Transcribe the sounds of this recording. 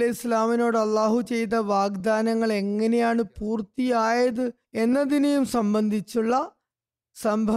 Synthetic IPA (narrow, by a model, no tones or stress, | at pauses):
ɐislaːmino̞ːɽɐlːaːɦut͡ɕe̞jt̪ɐʋaːɡd̪aːnɐŋːɐɭe̞ŋːɐne̞jaːɳɨpuːrt̪ijaːjɐðɨ | e̞nːɐðinejumsɐmbɐnd̪ʱit͡ɕːuɭːɐ | sɐmbʱɐ